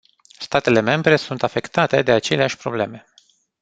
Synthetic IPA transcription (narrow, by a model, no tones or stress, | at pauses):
st̪at̪e̞le̞me̞mbɾe̞sunt̪afe̞kt̪at̪e̞d̪e̞at͡ʃe̞leaʃʲpɾo̞̰ble̞me̞